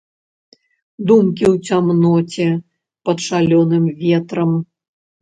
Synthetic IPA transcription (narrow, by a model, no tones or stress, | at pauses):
d̪umkʲiwt͡sʲamnɔt͡sʲɛ | pɐt̪ʂalʲɔnɨmvʲɛt̪ɾɐm